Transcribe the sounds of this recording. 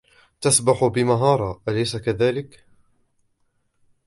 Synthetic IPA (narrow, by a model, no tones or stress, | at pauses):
t̪asbaħʊbɪmaɦɑːɾˤɑʔalajsakaðaːlɪk